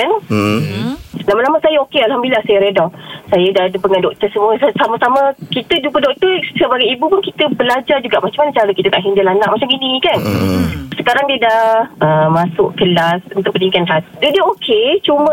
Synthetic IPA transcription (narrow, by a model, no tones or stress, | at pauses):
an | lamalamaʔsajaokealhamdililahsajəɾedɔsajədadəpəŋandɔk̚t̪ərsəmuəssamasaməkit̪əd͡ʒupədɔk̚t̪ərsəbaɡajibupʊnkit̪əbəlad͡ʒard͡ʒuɡaʔmat͡ʃamanat͡ʃaɾəkit̪ək̪aʔɦindəlanaʔmat͡ʃamɡininĩkan | səkaɾaŋdiədahəmasʊʔkəlasənt̪ʊʔpənikanɦat̪dodiəokʰet͡ʃumə